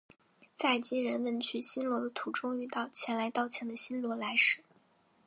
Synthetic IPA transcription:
t͡sa˥˩ɪt͡ɕi˥ɻə˧˥nmə˧˩nt͡ɕʰy˥˩ɕi˥nlwɔ˧˥d̪ə˧t̪ʰu˧˥ʈ͡ʂʊ˥ŋy˥˧t̪ɑ˥˩ʊt͡ɕʰjɛ˧˥nla˧˥ɪt̪ɑ˥˩ʊt͡ɕʰjɛ˧˥nd̪ə˧ɕi˥nlwɔ˧˥la˧˥ɪʂɻ̩˥˨˩

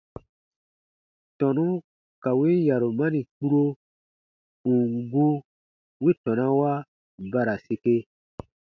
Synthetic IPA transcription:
tɔ˨nũ˦ | ka˨we˦ja˨ɾo˨ma˦nĩ˨k͡pu˦ɾo˦ | ũ˨ŋɡu˦ | we˦tɔ̃˨nã˦wa˦ | ba˦ɾa˨se˨ke˦

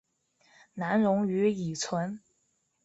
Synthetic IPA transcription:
na˧˥nɻʊ˧˥ŋy˧˥i˨˩t͡sʰwə˧˥n

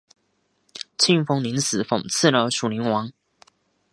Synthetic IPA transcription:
t͡ɕʰi˥˧ŋfo˥ŋli˧˥˦ns̩˨˩fo˨˩ŋt͡s̩ʰ˥˩˨lə˧ʂu˨˩li˨˥ŋwɑ˧˥ŋ

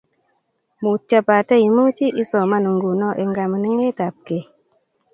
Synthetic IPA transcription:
mu˨t͡ʃːa˦pa˨te˦ji˨mu˦t͡ʃi˦ʔi˦sɔ˨ma˦nu˨ŋɡu˨nɔ˦ʔe˨ŋɡa˨mə˨ni˦ŋe˦ta˨p̚ke˨

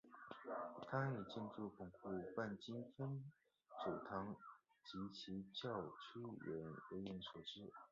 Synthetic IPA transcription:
t̪ʰa˥i˨˩t͡ɕə˥˧nʈ͡ʂu˥˩kʊ˨˩ŋku˥˧pa˥˩nt͡ɕi˥nfə˥n | ʈ͡ʂu˨˩t̪ʰɑ˧˥ŋ | t͡ɕi˧˥t͡ɕʰi˧˥t͡ɕjɑ˥˩ʊt͡ɕʰi˥ɥɛ̰˧˥nwe˧˥ɥɛ˧˥nʂwɔ˨˩ʈ͡ʂɻ̩˥

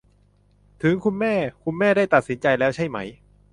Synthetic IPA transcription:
t̪ʰɯ˩˦ŋkʰu˧nmɛː˥˩kʰu˧nmɛː˥˩daː˥˩jt̪a˨˩t̪̚si˩˦nt͡ɕa˧jlɛː˦˥wt͡ɕʰa˥˩jma˦˥j

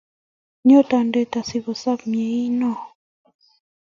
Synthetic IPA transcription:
ɲo˦t̪a˨nde˦˨t̪a˨si˨βo˨sa˦pmje˨i˦nɔ˦

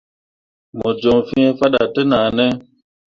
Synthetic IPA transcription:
mɔ˨d͡ʒɔ˨fi˦ɛ˦fa˦ɗa˨tə˦naː˨nɛ˦

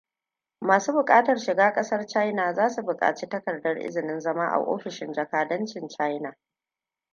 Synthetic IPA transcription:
maː˨suː˦bʊ˨kʼaː˦tɐ˨rʃɪ˨ɡaː˦kʼɐ˦sɐ˦rt͡ʃa˦jna˨zaː˦su˨bʊ˨kʼa̰ː˨t͡ʃiː˦tɐ˦kɐ˨rdɐ˦rʔɪ̰˦zɪ˨nɪ˦nzɐ˦maː˦ʔa̰˨ʔo̰ː˦ɸɪ˨ʃɪ˦nd͡ʒɐ˨kaː˨dɐ˦nt͡ʃɪ˨nt͡ʃa˦jna˨

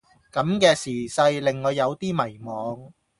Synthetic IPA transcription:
kɐ˨˥mkɛː˧siː˨˩sɐ˧jlɪ˨ŋːɔː˨˧jɐ˨˧wt̪iː˥mɐ˨˩jmɔː˨˧ŋ

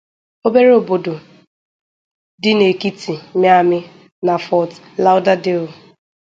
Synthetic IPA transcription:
o˦be˦ɾe˦o˨bo˨do˨ | dɪ˦ne˨ki˦ti˨˦m˦a˦˨mɪ˦ | na˨fɔ˨t | la˦ʊ˦da˦de˦˨

